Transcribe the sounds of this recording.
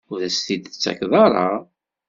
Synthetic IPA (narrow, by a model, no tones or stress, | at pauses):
ʊðæsθid̪ət͡sːæ̰kðˤɑɾˤɑ